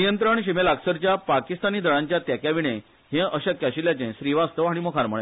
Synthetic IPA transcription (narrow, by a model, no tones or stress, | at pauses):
nijənt̪ɾəɳɕimelaksəɾt͡ɕjapakist̪aniːd̪ʱəɭãɲt͡ɕjat̪jɛkjaʋiɽ̃ẽ | ɦẽʔəɕakːaɕiljat͡ɕẽɕɾiʋast̪əʋaɽ̃imokʰaɾməɭẽ